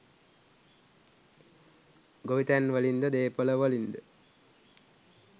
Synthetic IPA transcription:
ɡoʋit̪ænʋəlind̪əd̪eːpələʋəlind̪ə

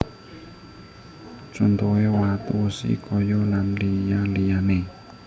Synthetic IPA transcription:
t͡ʃont̪ɔewat̪usḭkʰɔjɔlanlijalijane

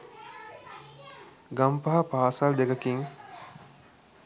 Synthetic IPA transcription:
ɡampaɦapaːsald̪eɡɐkiŋ

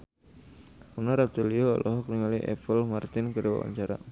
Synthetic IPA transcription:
unaɾat̪əliɔɔ̰lʔɔɦɔkliŋaliʔɛ̰fəlmart̪ɪnkəɾewa̰wa̰ɲt͡ʃaɾa̰

